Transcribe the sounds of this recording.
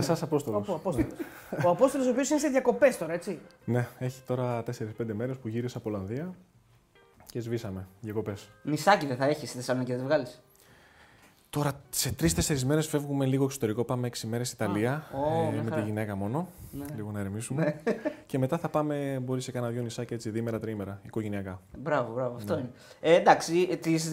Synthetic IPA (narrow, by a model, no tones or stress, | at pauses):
esɐsɐpo̞st̪olosɐposoɐpo̞sto̞los̬opio̞sineseðjɐko̞pe̞st̪o̞ɾɐet͡si | ne̞e̞çi̥t̪o̞ɾɐt̪e̞se̞ɾispe̞nd̪eme̞ɾe̞spuʝiɾisɐpolɐnðiɐ | ce̞zvisɐme̞ðjɐko̞pe̞smisɐciðeθɐe̞çisθesɐmeceðevɣɐlis | t̪o̞ɾɐse̞t̪ɾist̪e̞se̞ɾizme̞ɾe̞sfe̞vɣume̞liɣo̞eksot̪e̞ɾiko̞pɐme̞eksime̞ɾesit̪ɐliɐomet̪iʝine̞kɐmo̞no̞nliɣo̞nɐeɾmisumece̞me̞t̪ɐθɐpɐme̞bo̞ɾise̞kɐnɐðʝo̞nisɐcie̞t͡siðime̞ɾɐt̪ɾime̞ɾɐiko̞ʝe̞niɐkɐbɾɐvobɾɐvoɐfnt̪oine | end̪ɐksit̪is